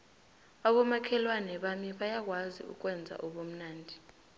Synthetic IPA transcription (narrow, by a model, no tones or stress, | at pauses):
aɓɔmakʰɛlwanɛɓamiɓajak̬ʼwazḭṵk̬ʼwɛnd͡zʱa̰ʔoɓom̩naːndʱi